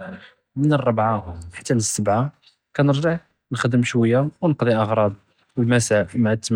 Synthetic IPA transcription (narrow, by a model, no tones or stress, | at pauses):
mənərˤːɑbʕaħḁt̪ːænəsːəbʕa | kænəɾˤʒiħ | nxd̪əmʃwəjːawnəqd̪ˤiʔɑɣɾˤɑb | wəlmæsamaʕət̪ːm